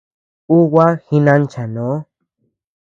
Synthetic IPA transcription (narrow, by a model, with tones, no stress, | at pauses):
u˦wa˦hi˧nã˧nt͡ʃa˨nõ˨˦